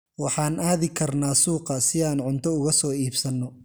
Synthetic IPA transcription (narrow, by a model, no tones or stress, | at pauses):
wɑħɑːnʔaːðɪkʰɐrnaːsuːqɐsɪaːnʕʊnt̪ʰɔʊɣɐsɔːiːbsɐnːɔ